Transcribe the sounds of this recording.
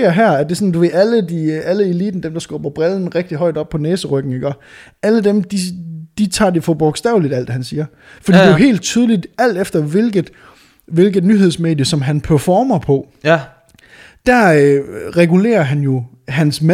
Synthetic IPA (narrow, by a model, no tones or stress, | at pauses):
ɐɦæɐ̰æd̥e̝sɔ̽nd̥uʋe̝æləd̥iʔæləe̝lḭːd̥n̩d̥emd̥ɑ̈sɡ̥ɒːb̥ɐb̥ʁɛln̩ʁɛɡ̥̚d̥iɦɒ̽ɪd̥ɒ̽b̥̚pʰɒ̽neːsəʁœɡ̥n̩iɡ̥ɶɐ | æləd̥emd̥id̥it͡sʰɑ̰̈ːd̥e̝fɒb̥ɒɡ̥sd̥ɛ̰ːʊlid̥æl̰d̥hænsiːɐ | fɒd̥ḭde̝ɦe̝̰ːld̥̚t͡sʰyːð̞ˠlid̥æl̰d̥efd̥ɐʋe̝lɡ̥ð̩ˠ | ʋe̝lɡ̥ð̩ˠnyɦeð̞̰ˠsme̝̰ːdjəsɒ̽mɦænpʰæɐfɒːmɐpʰɒ̽ | d̥æʁɛɡule̝̰ːɐɦænjo̝ | ɦænsmæ